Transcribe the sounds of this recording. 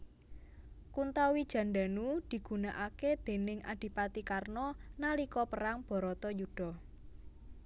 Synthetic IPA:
kunt̪awid̥ʒ̥ä̤nɖa̤nud̪̥i̤ɡ̥ṳnaʔaked̪̥e̤nɪŋʔa̰ɖ̥i̤pat̪ikarnɔnalikɔpəɾaŋb̥ɔ̤ɾɔt̪ɔjuɖ̥ɔ̤

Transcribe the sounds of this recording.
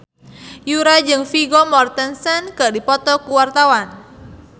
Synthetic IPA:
juɾad͡ʒɨŋfiɡɔmɔrt̪ɛnsɛnkɨdipɔt̪ɔkuwart̪awan

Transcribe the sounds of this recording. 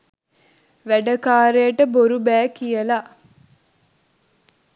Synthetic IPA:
ʋæɖəkaːɾejəʈəboɾubæːkijəla

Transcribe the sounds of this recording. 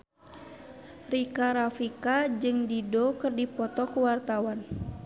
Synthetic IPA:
rikaɾafikad͡ʒɨŋdidɔkɨrdipɔt̪ɔkuwart̪awan

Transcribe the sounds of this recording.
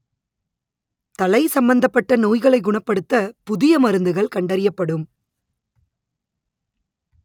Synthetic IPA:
t̪ɐlɐɪsɐmbɐnd̪ɐpːɐʈːɐnoːjɣɐɭɐɪɡʊɳɐpːɐɽɯt̪ːɐpʊðɪjɐmɐɾɯnd̪ɯɣɐɭkɐɳɖɐɾɪjɐpːɐɽɯm

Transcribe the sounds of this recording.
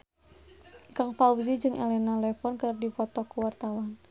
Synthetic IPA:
kaŋpauzid͡ʒɨŋʔɛ̰lɛnalɛfɔnkərdifɔt̪ɔkuwart̪awan

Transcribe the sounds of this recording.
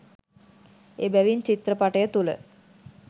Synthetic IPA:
ebæʋint͡ɕit̪ɾəpaʈəjət̪ulə̰

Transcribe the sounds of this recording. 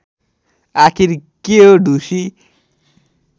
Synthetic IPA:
akʰiɾkeɦoɖʱusi

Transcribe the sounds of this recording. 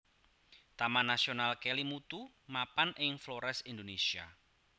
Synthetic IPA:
t̪amanasionalkɛlimut̪u | mapanɪŋfloɾɛsind̪onesia

